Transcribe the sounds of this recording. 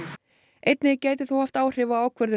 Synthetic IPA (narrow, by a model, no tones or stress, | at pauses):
ejt̪nɪcaːjt̪ɪθuwhaft̪aːwr̥ɪvaaːwkʰvɛɾðʏ